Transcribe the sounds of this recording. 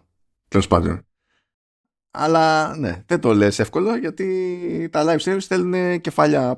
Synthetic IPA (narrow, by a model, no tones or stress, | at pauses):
t̪elo̞spɐ̰nd̪o̰n | ɐ̰lɐne̞̰ðet̪o̞le̞se̞fko̞loʝɐt̪it̪ɐlɐjfst̪ɾimsθe̞lune̞ce̞fɐʎɐ